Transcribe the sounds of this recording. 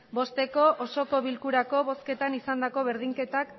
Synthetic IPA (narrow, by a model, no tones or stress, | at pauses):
bo̞st̪e̞ko̞ʔoso̞ko̞βilkuɾako̞βo̞ske̞t̪anisand̪ako̞βeɾð̞iŋke̞t̪ak